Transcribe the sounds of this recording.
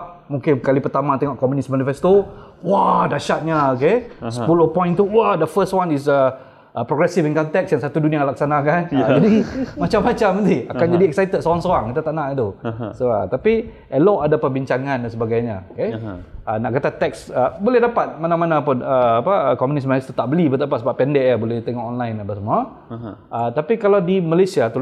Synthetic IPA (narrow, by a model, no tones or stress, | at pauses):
muŋkɪnkalipərt̪amat̪eŋɔʔkɔmjunismanifɛst̪o | wadaʃat̪̚ɲaokespulopɔ̃j̃nt̪uwadəfəstwanisə | ʔəpɾɔɡɾɛsifinkɔnt̪ɛksjaŋsat̪udunĩalaksanakand͡ʒadimat͡ʃamːat͡ʃamənt̪iakand͡ʒadiɛk̚sajt̪ədsoɾaŋsoɾaŋkit̪at̪aʔnaʔit̪usoa̰t̪api | ʔəlɔʔadapəbiɲt͡ʃaŋãndansəbaɡajɲaokeənaʔkat̪at̪ɛksəbolɛhdapat̪̚manãmanapʊnəːpakɔmunis̬malist̪ut̪aʔbəlibət̪ap̬asəbapːɛndɛʔjabolɛht̪eŋɔkɔnlajnapasəmua | ət̪apikalawdimalajsiat̪u